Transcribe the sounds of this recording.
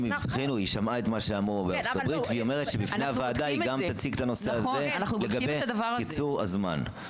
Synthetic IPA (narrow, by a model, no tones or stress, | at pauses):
misaχinuiʃamaet̪maʃeamʁubeat͡sot̪abʁit̪veiome̞ʁetʃebifnejavaːdaiɡamt̪at͡siɡt̪ano̞seazenleɡabedakit͡suʁa̰zma̰n